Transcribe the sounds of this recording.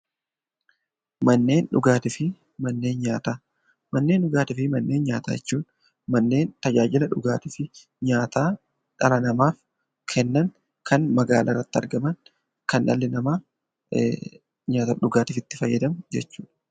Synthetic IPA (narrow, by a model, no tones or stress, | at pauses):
mɐnːe̞ːnᶑʊɡaːt̪ɪfɪ | mɐnːe̞ːnɲaːt̪aː | mɐnːe̞ːnɗʊɡaːt̪ɪfɪmɐnːe̞ːnɲa̰ːt̪a̰ːjɛt͡ʃːuːᶑ | mɐnːe̞ːnt̪ɐd͡ʒaːd͡ʒɪlɐᶑʊɡaːt̪ɪfɪ | ɲaːt̪aː | ᶑɐlɐnɐmaːf | kʰɛnːɐŋ | kʰɐnmɐɡaːlʔarːɐt̪ːɪɐ̰ɾɡɐmɐŋ | kɐnʔɐ̰lːɪnɐmɐ | ɲaːt̪ɐᶑʊɡaːt̪ɪfɪt̪ːɪfɐjːɐd̪ɐmd͡ʒɛ̰t͡ʃːuːᶑɐ̥